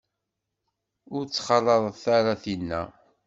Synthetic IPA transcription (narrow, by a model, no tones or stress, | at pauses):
ʊɾt͡sːχɑlˤːɑðˤθaɾaθinːæ̰